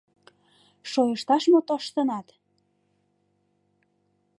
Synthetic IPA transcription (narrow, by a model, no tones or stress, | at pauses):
ʃojəʃt̪ɑʃmot̪oʃt̪ənɑt̪